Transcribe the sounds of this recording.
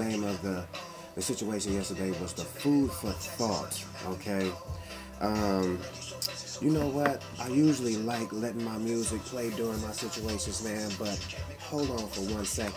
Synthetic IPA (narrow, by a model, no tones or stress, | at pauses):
ẽɪ̃mʌvðɨ | ðɨsɪt͡ʃueɪʃɨ̃njɛstə˞deɪwʌzðəfud̥fə˞θɔ̰t | ʔoʊkʰeɪ | ʔʌ̃m | jɨnoʊwʌt̚ʔaɪjʉʒl̩ˠilaɪklɛɾɪ̃ŋmaɪmjʉzɨk̚pʰl̥eɪdʊɹɪ̃ŋmaɪsɪt͡ʃueɪʃɨ̃nzðæ̃nbʌt̚ | hoʊlˠdn̩fə˞wʌ̃nsɛk